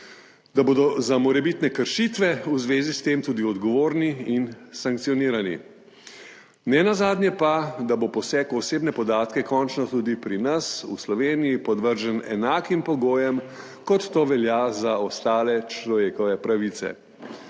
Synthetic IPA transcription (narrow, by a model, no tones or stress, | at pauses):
d̪aboːd̪ɔzamɔɾɛbit̪nɛkəɾʃit̪ʋɛuzʋeːzist̪eːmt̪uːd̪iɔd̪ɡɔʋoːɾniinsaŋk̚t̪siɔniːɾanḭ | nɛnazaːd̪nʲjɛpad̪abopɔsɛːkɔseːbnɛpɔd̪aːt̪kɛkɔnt͡ʃnɔt̪ud̪ipɾinasuslɔʋeːnijipɔd̪ʋəɾʒənɛ̰naːkimpɔɡoːjɛm | kɔt̪ːoːʋɛljazaɔst̪aːlɛt͡ʃlɔʋeːkɔʋɛpɾaʋit̪sɛ̰